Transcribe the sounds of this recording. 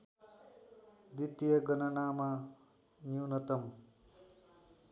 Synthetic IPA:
d̪it̪ijʌɡʌnʌnama | njuwnʌt̪ʌm

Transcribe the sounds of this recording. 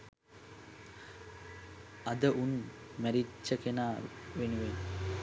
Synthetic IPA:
ɐd̪əʔunmæɾit͡ʃːəkenaːʋenuʋen

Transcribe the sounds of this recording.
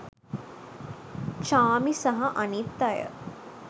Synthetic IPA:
t͡ʃaːmisɐɦɐʔɐnit̪ːɐjə̰

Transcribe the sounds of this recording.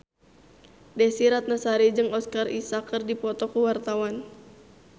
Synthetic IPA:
dɛsiɾat̪̚nasaɾid͡ʒɨŋɔskarisakːərdipɔt̪ɔkuwart̪awan

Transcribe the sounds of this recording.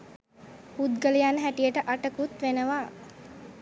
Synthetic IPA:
pud̪ɡəlijanəɦæʈijəʈəʔaʈəkut̪ʋenəʋaː

